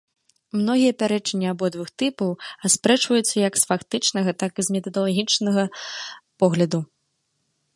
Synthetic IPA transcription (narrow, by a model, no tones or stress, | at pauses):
mnɔɣʲijɐpʲaɾɛt͡ʂɐnʲːiabɔd̪vɨxt̪ɨpɐwaspɾɛt͡ʂvɐjut̪sːɐjɐksfakt̪ɨt͡ʂnɐɣɐt̪akɨzmʲɛt̪ɐd̪ɐlˠaɣʲit͡ʂnɐɣɐpɔɣlʲɐd̪u